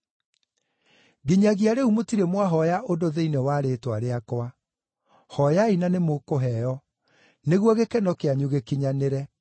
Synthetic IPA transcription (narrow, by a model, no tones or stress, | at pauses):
ɡiɲaɣiaɾeumotiɾemwaɦɔjaʔodoðeinewaɾetwaɾeakwa | hɔjainanemokoɦɛjɔ | neɣwɔɣekɛnɔkeaɲuɣekiɲaneɾɛ